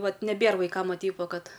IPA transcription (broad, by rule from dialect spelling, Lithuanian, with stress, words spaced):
ˈʋɐt nʲɛˈbʲeːr ʋɐɪˈkɐm ˈʋɐ ˈtʲɛɪp ˈʋɐ ˈkɐt